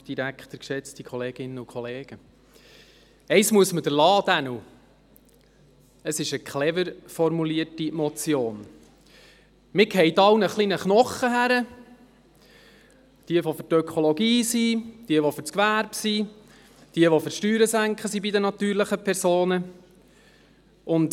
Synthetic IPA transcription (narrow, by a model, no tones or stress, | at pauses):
d̥iɾækχt̪əɾkʃɛt͡stikʰɔleːɡ̥ɪnːəukʰχɔleːɡ̥ə | ɛɪsmuəsməd̥əɾlɑːd̪̥ænu | əsɪʃəkχlɛvəɾfɔɾmuliəɾtimɔt͡sjoːn | mɪkʰɛjt̪ɑwnəχliːnəχnɔχəɦæɾə | d̥iəʋofʏtœkʰolɔɡiːsid̥iəʋofʏɾt͡skʋæɾbsi | d̥iəʋofʏɾʃtyːɾəsæŋkχəsibidənɑt̪yːɾləχəpʰɛɾsoːnə | ʊnd